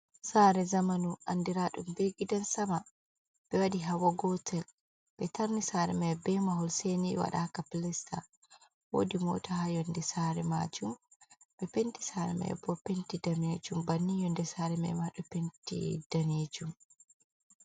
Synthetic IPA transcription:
saːɾɛzamanua̰ndiɾaːɗumbeɡidansama | b̥ɛwadiɦawaɡɔtʰɛl | b̥ɛtaɾnisaːɾɛmɛbɛmaɦɔlseːniwa̰ɗakapilɛstʰa | wo̰ːdimɔ̰tahajɔndɛsaːɾɛma̰ːd͡ʒumb̥ɛpenti̥saːɾɛmɛ̰j̰bɔpːentidaned͡ʒumbanːijɔndɛsaːɾɛmɛ̰jmaɗɔpentḭd̥aned͡ʒum

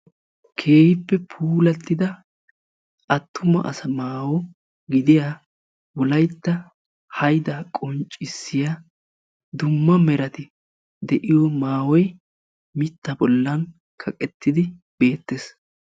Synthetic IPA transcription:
kʰe̞ːhɪpːɛpʰuːlɐt̪ːɪd̪ɐ | ʔɐt̪ːʊmɐ̰ʔɐ̰sɐmaːwɔ | ɡɪd̪ɪja | wɔlɐjt̪ːɐ | hɐjd̪aːkʼɔnt͡ʃʼːɪsːɪja | d̪ʊmːɐmɛɾɐt̪ɪ | d̪ɛʔɪjɔmaːwɔj | mɪt̪ːɐbɔlːɐn | kʰɐkʼɛt̪ːɪd̪ɪ | b̥e̞ːt̪ːes

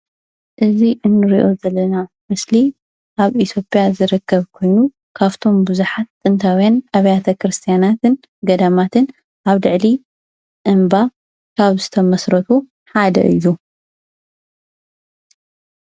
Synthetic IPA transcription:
ʔɨziʔɨnːɨɾiʔo̞zɐlːɐna | mɨsli | ʔaβit̪ʰjo̞pʼjazɨɾɨkːɐβkʰo̞jnu | kʰaft̪ʰo̞mbuzuħat̪ːɨnt̪ʰawijanaβɐjat̪ʰɐkɾɨst̪ʰijanat̪ʰɨn | ɡɐd̪amat̪ʰɨn | ʔaβlɨʕli | ʔɨmba | kʰaβzɨt̪ʰɐmɐsɾɐt̪ʰu | ħad̪ɐ̰ʔḭju

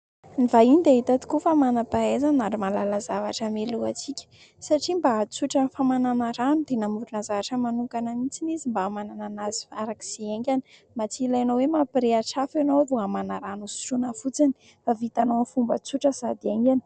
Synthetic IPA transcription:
nivainid̪eɦit̪at̪u̥kufamanapaezanaɾimalalazavaʈ͡ʂəmeluat͡sikʲə̥ | saʈ͡ʂimbat͡suʈ͡ʂənfamananaɾanud̪̥enamuɾunazavaʈ͡ʂəmanuŋkanəmit͡sinizimbamanananazi̥faɾaki̥z̥eeŋɡʲani̥ | mat͡silajanowemapiɾeaʈ͡ʂafanovoamanaɾanusu̥ʈ͡ʂunəfut͡sini̥ | favit̪anonifumbət͡suʈ͡ʂəz̥ad̪ieŋɡʲani̥

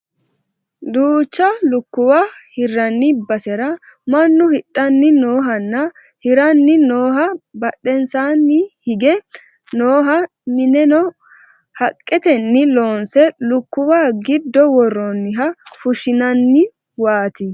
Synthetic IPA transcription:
d̪uːt͡ʃːɐlʊkːʊwahɪrːɐnːɪbɐsɛɾɐ | mɐnːʊhɪɗːɐnːɪnoːɦɐnːɐ | hɪɾɐnːɪnoːɦɐbɐɗːɛnsaːnːɪhɪɡɛ | noːɦɐ | mɪnɛnɔ | hɐkʼːɛt̪ɛnːɪloːnsɛlʊkːʊwaːɡɪd̪ːɔwɔrːɔnːɪɦɐfʊʃɪnɐnːɪ | waːt̪ɪ

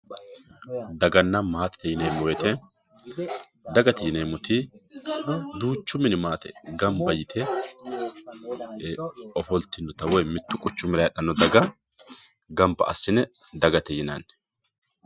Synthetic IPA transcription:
d̪ɐɡɐnːɐmaːt̪ɛ̥t̪ɛjɪneːmːɔwɛt̪ɛ | d̪ɐɡɐt̪ɛjɪneːmːɔt̪i | d̪uːt͡ʃːʊmɪnɪmaːt̪ɛ̰ɡɐmbɐjɪt̪ʰɛ | ɔfɔlt̪ːɪnːɔt̪ɐwɔjmɪt̪ːʊkʼʊt͡ʃːʊmlɐjɗɐnːɔd̪ɐɡɐ | ɡɐmbɐ̰ʔɐsːɪnɛ | d̪ɐɡɐt̪ɛjɪnɐ̰n

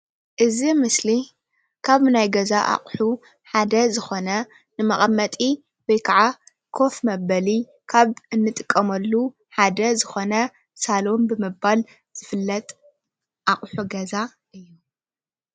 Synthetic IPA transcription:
ʔɨzimɨsli | kʰaβnajɡɐzaʔa̰χʼħu | ħad̪ɐzɨxo̞nɐ | nɨmɐχʼɐmːɐt̪ʼi | wojkʰaʕa | kʰo̞fmɐβɐli | kʰaβɨnːɨt̪ʼɨkʼːɐmɐlːu | ħad̪ɐzɨxo̞nɐ | salo̞mbɨmɨbal | z̥ɨfɨlːɐt̪ʼ | ʔaχʼħuɡɐza | ʔɨjːu

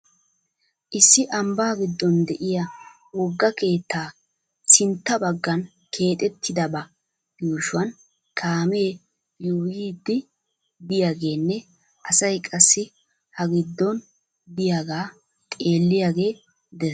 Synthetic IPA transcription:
ʔɪsːɪʔɐmbɐɡɪd̪ːɔnd̪ɛʔɪja | wɔɡːɐke̞ːt̪ːaː | sɪnt̪ːɐbɐɡːɐn | kʰe̞ːt̪ʼɛt̪ʰːɪd̪ɐbɐ | juːʃʊwɐn | kʰaːmeː | juːjiːd̪ːɪ | bɪjaːɡe̞ːnːɛ | ʔɐsɐjkʼɐsːɪ | hɐɡɪd̪ːɔn | b̪ɪjaɡaː | t̪ʼe̞ːlːɪjaɡe̞ː | d̪ɛ

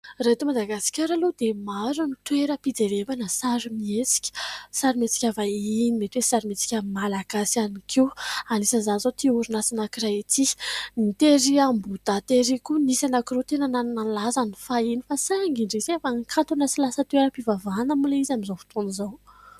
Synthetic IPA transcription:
ret̪umad̪aɡasi̥kʲaɾalud̪emaɾunit̪weɾəpid͡zevebanəsaɾimiet͡si̥kʲə̥saɾimet͡si̥kʲavainimet̪wesaɾimet͡si̥kʲamalaɡasianikʰewanisəzanzot̪iuɾunasinakiɾait̪ʰinit̪eɾiambud̪at̪eɾikunisanakirot̪enənannanlazanifainifasaaŋɡiɳɖ͡ʐisiafaŋkʰant̪unasilasət̪weɾəpivavanəmuleizamizofi̥t̪unizow

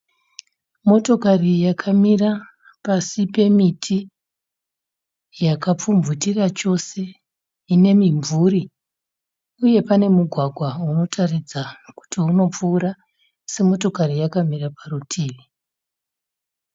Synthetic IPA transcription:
mo̞to̞karijakʰamira | pasipe̞mitʰi | jakap͡fumvutirat͡ʃo̞se̞ | ine̞miɱvuɾi | uje̞pane̞muɡʱwaɡʱwauno̞tʰarid͡zaku̥tiuno̞p͡fuːɾa | se̞mo̞to̞karijakamiraparutʰiːli

